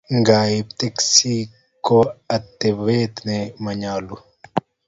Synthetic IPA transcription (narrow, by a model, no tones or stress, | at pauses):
ŋɡaːjip̚t̪eksi | kːoɐt̪ːeβeːt̪nemɐɲaːlu